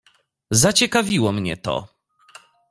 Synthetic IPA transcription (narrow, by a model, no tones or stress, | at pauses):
zat͡ɕɛkavʲiwɔmɲɛ̰t̪ɔ̰